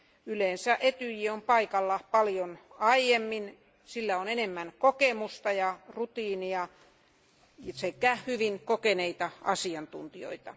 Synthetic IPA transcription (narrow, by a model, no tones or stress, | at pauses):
yleːnsæʔet̪yjiompɑikɑlːɑpɑljonɑijemːin | silːæonenemːænkokemust̪ɑjɑrut̪iːniɑ | jsekæhyʋiŋkokeneit̪ɑɑsiɑnt̪ṵnt̪io̰it̪ɑ̰